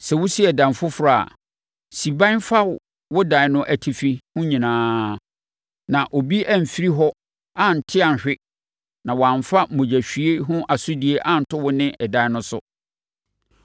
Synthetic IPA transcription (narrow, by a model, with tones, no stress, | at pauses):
sɛ˨wʊ˦si˦ɛ˨dã˨m˨fʊ˦fʊ˨ɾa˨a̰˨ | si˨bã˦n˦fa˦w | wʊ˦dã˨˦nʊ̃˦ʔæ˨tʰi˨fi˨hʊ̃˦ɲĩ˨nãː˦ | nã˨ʔo˨bi˦ʔa˦m̩˨fi˦ɾi˦ɦɔ˦ | a˦˨n̩˨tʰɪ˦a˨n˨ɕᶣɪ˦ | nã˨wɔ˨ã˨ɱ˨fa˦˨mõ˨d͡ʑæ˨ɕᶣɥe˦ɦʊ̃˦ʔa˨sʊ˦di˨˦e˦ʔa˦n̩˨tʰʊ˦wʊ˦nɪ̃˦ʔɛ˨dã˨˦nʊ̃˦sʊ̰˦